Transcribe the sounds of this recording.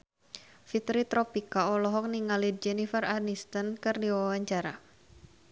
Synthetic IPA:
fit̪ɾit̪ɾɔpikaɔlɔɦɔk̚niŋalid͡ʒɛnifəranist̪ənkɨrdiwawaɲt͡ʃaɾa

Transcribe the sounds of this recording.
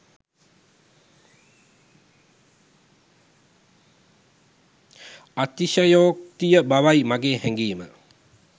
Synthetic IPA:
at̪iʃəjoːk̚t̪ijəbaʋajmaɡeːhɛŋɡiːmə

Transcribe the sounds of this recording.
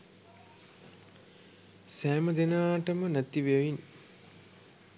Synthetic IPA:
sæːməd̪enaːʈəmənæt̪ːiʋeʋin

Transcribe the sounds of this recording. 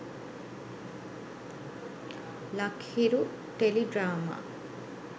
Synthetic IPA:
lɐkhiɾu | ʈeliɖɾaːma̰ː

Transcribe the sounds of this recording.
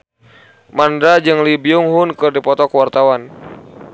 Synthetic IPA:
mandɾad͡ʒɨŋlibiuŋɦʊnkɨrdipɔt̪ɔkəwart̪awan

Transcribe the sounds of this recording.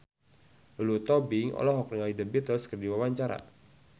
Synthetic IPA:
lut̪ɔbɪŋɔ̰lɔɦɔkɾiŋalidəbit̪əlskərdiwawaɲt͡ʃaɾa̰

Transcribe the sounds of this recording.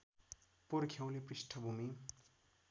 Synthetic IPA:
poɾkʰew̃leprisʈʰʌbʱumi

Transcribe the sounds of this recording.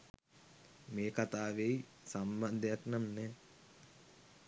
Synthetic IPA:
meːkat̪aːʋej | samband̪jaknamnɛ

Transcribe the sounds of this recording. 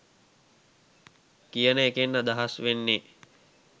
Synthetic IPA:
kijənəekenːəd̪aɦasʋenːe

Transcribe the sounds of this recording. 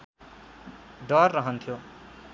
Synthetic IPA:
ɖʌrːʌɦʌnt̪ʰjo

